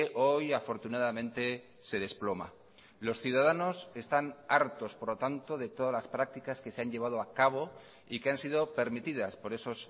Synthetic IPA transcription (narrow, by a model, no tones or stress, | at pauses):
ʔo̞jafo̞ɾt̪unaðamẽ̞nt̪e̞ | se̞ðe̞splo̞ma̰ | lo̞sθjuðað̞ano̞se̞st̪anaɾt̪o̞spoɾlot̪ant̪o̞ðe̞t̪o̞ðazlaspɾak̚t̪ikaske̞seaɲʎe̞β̞að̞o̞akaβ̞o̞ | ikeansið̞o̞pe̞ɾmit̪iðaspo̞ɾe̞so̞s